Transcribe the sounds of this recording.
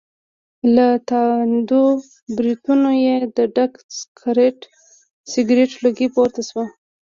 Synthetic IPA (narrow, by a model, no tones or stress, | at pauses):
lat̪ɑwnd̪o | bɾit̪unojed̪əɖakskʰaɾeʈ | sɪɡɾeʈloɡipoɾt̪aswa